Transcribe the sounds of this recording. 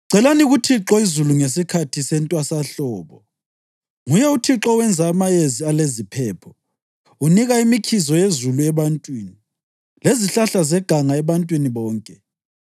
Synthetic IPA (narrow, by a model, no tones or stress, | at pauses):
ǀɛlaniɣutʰiǁɔizuluŋesikʰatʰisɛntʼwasaɬɔːβɔ | ŋujɛutʰiǁɔwɛnd͡zʱaːmajezialezipʰɛːpʰɔ̥ | uniɣaimikʰizɔjezuluɛβantʼwiːni | leziɬaɬazɛɡ̥ʱaŋaɛβantʼwiniβɔːŋkʼɛ